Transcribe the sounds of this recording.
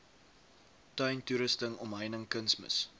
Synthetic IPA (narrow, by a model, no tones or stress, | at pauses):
tœɥntuɾəstəŋɔmɦəjnəŋkənsmə̰s